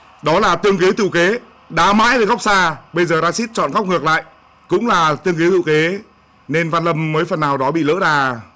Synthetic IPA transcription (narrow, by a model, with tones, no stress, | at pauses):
ɗɔ˨˦laː˨˩t̪ɨ˧əŋki˨˦wt̪ɨ̰˧˨ke˨˦ | ɗaː˨˦ma̰ː˧˥jve˨˩ɣɔ˦˥k͡p̚saː˧ɓə˧jzəː˨˩zaː˧si˦˥t̚t͡ɕɔ̰˧˨nɣwk͡p̚ŋɨ˨˩ək̚la̰ː˧˨j | kʊ̰˧˥ŋ͡mlaː˨˩t̪ɨ˧əŋk̬i˨˦t̪ʰɨ̰˧˨ke˨˦ | ne˧nvaː˧nlə˧mːəː˨˦jfə˨˩nːaː˨˩wɗɔ˨˦ɓḭ˧˨lə̰ː˧˥ɗaː˨˩